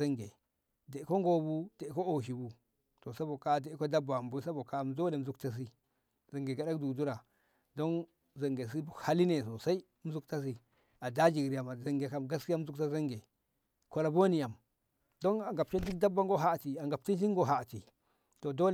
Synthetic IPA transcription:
a˦ŋɡe˨ | de˨ko˦ŋɡo˦bu˦de˨ko˦o˨ʃ̬i˨bu˦ | to˨sa˦bo˨ka˦˨de˨˦ko˦da˦ba˨mbu˦sa˦bo˨ka˦m˦do˦le˨m̩˨zu˦kta˦s̬i˦ | za˨ŋɡe˨ɡa˨ɗa˦kdu˨du˦ɾa˨ | do˦n | za˨ŋɡe˨s̬i˦bu˨ha˦li˦ne˨s̬o˨sa˦i˦m̩˦zu˦kta˦s̬i˦ | a˨da˦d͡ʒi˨ɡɾi˨ja˨ma˨za˨ŋɡe˨ka˦mɡa˦ski˦ja˦m˦zu˦kta˦za˦ŋɡe˨ | ko˨la˨bo˦ni˨ja˨m | do˦na˨ŋɡa˨p̚t͡ʃe˦di˦k̚da˦bːa˦ŋɡo˦ɦa˦˨ti˨a˨ŋɡa˨p̚ti˦nʃi˦ŋɡo˦ɦa˨ti˨ | to˨do˦l

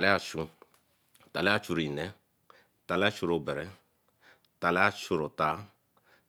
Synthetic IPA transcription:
ta˨le˦a˨t͡ʃũ˨ | ta˨le˦a˦t͡ʃu˦˨ɾi˨i˨nɛ˦ | ta˨la˦t͡ʃo˦˨ɾo˦˨bɛ˨ɾɛ˨˦ | ta˨le˦a˦t͡ʃo˨ɾo˨ta˦

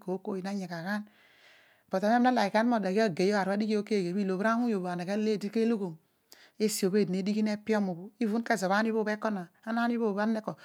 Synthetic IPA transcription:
ko˨˦ko˦ji˨na˦ɲe˨ka˨ka˦n | b̥o˨ta˨˦m˦e˦m˦a˦la˨i˨ka˦n˦mo˦˨da˨ɡi˦a˦˨ɡe˨jo˦a˨ɾa˦di˦ki˦o˦ke˦˨ɡe˨βi˦lo˨bɾa˦ŋu˦jo˨ba˨na˨ke˦le˦˨di˦ke˦lo˦ɡo˨m | e˦si˨o˨be˦˨dne˨˦di˦ki˦ne˦pi˦o˦mu˨bo˨˦i˦vu˦n˦ke˦zo˨βa˦i˦βo˦be˦kɔ˦na˨a˦na˦n˦i˦βo˦˨ba˦ne˦ko˨

